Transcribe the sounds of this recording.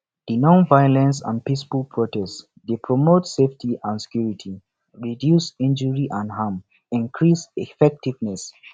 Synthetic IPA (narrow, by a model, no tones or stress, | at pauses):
d̥inɔ̃nvajɔlɛ̃ns̬ã̰npisfulˠpʰɹɔtɛst | depʰɹɔmotseftʰiʔãnsɛ̥kjuɹitʰi | ɹidjusĩnd͡ʒəɹiʔãndham | ĩnkʰɹisɛfɛk̚tivnɛs